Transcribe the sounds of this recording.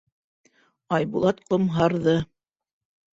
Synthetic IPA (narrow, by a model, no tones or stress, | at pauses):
ɑjbulˠɑt̪qŏmɦɑɾðɤ